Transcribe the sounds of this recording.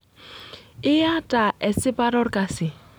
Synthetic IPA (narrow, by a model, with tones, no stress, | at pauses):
ɪ˦ja˦tʼa˨ʔɛ˨sɪ˦bʼa˦ɾɔ˦rkʼa˨sɪ˨